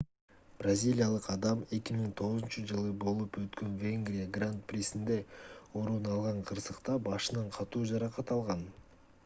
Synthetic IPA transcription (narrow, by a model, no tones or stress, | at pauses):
b̥razʲilʲijalˠɯqɑd̪ɑme̞kʲimiŋt̪ʰo̞ʁʊzunt͡ʃɯd͡ʒɯlˠɯbo̞lˠupwøt̪kø̞nvʲe̞ŋɡrʲijaɡrant̪̚prʲesind̪e̞oɾunɑlˠʁɑɴqʰɯɾsɯqt̪ɑbɑʃɯnɑɴqʰɑt̪uːd͡ʒɑɾɑqɑt̪ɑlˠʁɑn